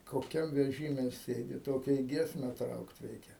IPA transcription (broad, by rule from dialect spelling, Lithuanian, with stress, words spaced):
koːˈkʲɛm ʋʲɛˈʒʲiːmʲɛ ˈsʲeːdʲɪ ˈtoːkʲɛ ɪ ˈɡʲiɛsʲmʲɛ ˈtrɐʊkt ˈrʲɛɪkʲɛ